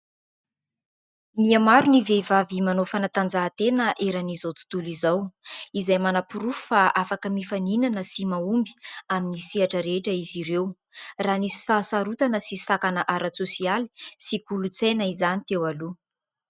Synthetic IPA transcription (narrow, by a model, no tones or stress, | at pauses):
miamaɾunivevavimanofanat̪and͡zaːt̪enəʔeɾanizowt̪u̥t̪ulizawizajmanapuɾufaʔafakəmifaninanəsimaumbi̥aminisiaʈ͡ʂəɾeʈ͡ʂəiziɾew | raːnisi̥faːsaɾut̪anəsisakanaʔaɾat͡sosiali̥sikulut͡senaizanit̪ewalu